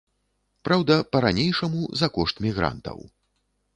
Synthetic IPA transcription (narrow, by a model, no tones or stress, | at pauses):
pɾawd̪ɐpɐɾanʲejʂɐmuzɐkɔʂt̪mʲiɣɾa̰nt̪ɐ̰w